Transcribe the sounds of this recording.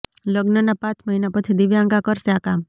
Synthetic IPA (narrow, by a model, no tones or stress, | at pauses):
ləɡnənapãt͡ʃməɦinapət͡ʃʰid̪iʋjaãŋɡakəɾʃeakam